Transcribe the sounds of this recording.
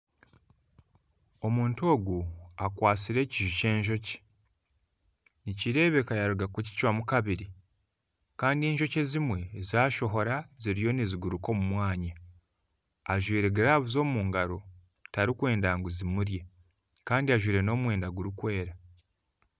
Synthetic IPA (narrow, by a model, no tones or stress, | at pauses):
o̞muːnto̞ːɡuakwaːsiɾe̞ːciʒuce̞ːɲʒo̞ce̥ | niciɾe̞ːβe̞kajaɾuɡakuci̥cwamukaβiɾi | kaːndie̞ːɲʒo̞cezimwe̞zaːʃo̞ɦo̞ɾaziɾijo̞niziɡuɾuko̞mumwaːɲa | ʒwiːɾeɡeɾaːβuzo̞ːmuːŋɡaɾo̞ | taɾikwe̞ːndaːŋɡuzimuɾje̞ | kaːndiaʒwiːɾe̞no̞ːmwe̞ːndaɡuɾukwe̞ːɾa